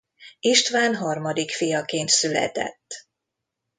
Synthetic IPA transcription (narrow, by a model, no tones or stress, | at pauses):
iʃt̪ʋaːnɦɒrmɒd̪ikfijɒkeːnt̪sylɛ̰t̪ɛ̰t̪ː